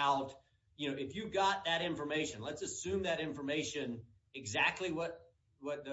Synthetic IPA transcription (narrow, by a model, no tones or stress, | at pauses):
ʊd | jɨnoʊɨfjɨɡɑt̪̚ðɨɾɪ̃ɱfə˞meɪʃɨ̃nlətsɨsʉ̃mðɨɾɪ̃ɱfə˞meɪʃɨ̃n | ɨɡzæk̚tʰˡliwʌt̚ | wʌt̪̚ðɨ